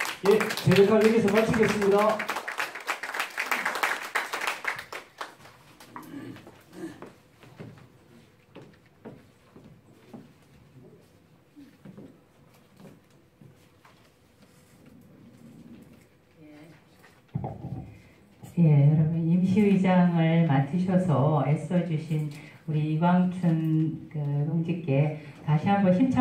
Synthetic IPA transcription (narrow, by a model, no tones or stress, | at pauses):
jet͡ɕeɾɯnɡaɭeɡisʰʌpaɭt͡ɕʰiɡes͈ɯmɲida | je̞jʌɾʌmʌnimɕʰiwid͡ʑaŋɯɭmatʰɯɕʰʌsʰʌes͈ʌd͡ʑuɕʰinuɾiːɡaŋtʰɯnkɯsʰoŋd͡ʑik̚k͈e̞ | taɕʰiɦambʌnɕʰimt͡ɕʰa